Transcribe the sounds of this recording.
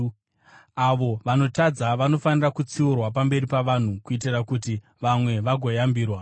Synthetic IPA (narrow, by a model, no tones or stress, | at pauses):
aʋo̞ʋano̞tad͡zaʋano̞fanirakut͡siurwap̬ambe̞ɾipaʋan̤ukuit̬irakuti | ʋamwe̞ʋaɡʱo̞jambiːrwa